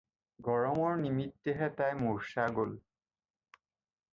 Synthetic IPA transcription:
ɡɔɹɔmɔɹnimitːeɦɛtajmuɹʃaɡol

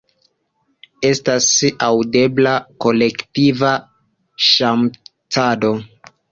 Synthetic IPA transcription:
e̞stasawde̞blako̞le̞ktiva | ʃamt͡sado̞

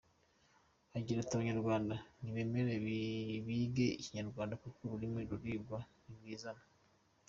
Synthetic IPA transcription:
aɟiɾataβaɲaɾɡwaːndaniβe̞me̞ɾeββiːɡe̞iciɲaɾɡwaːndakukuɾuɾimweɾuɾiːɡwaniβwiːzana

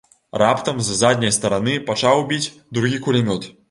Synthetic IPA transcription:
rapt̪ɐmzzad̪ʲnʲɐjst̪ɐɾanɨpat͡ʂawbʲit͡sʲ | d̪ɾuɣʲikulʲimʲɔt̪

